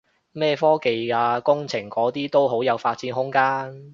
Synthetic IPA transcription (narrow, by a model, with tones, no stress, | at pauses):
mɛː˥˧fɔː˥ke˨jkaː˧kʊ˥ŋt͡sʰɪ˨˩ŋkɔː˨˥t̪iː˥t̪o˥wɦo˨˥wjɐ˨˧wfaː˧t̚t͡siː˨˥nɦʊ˥ŋkaː˥n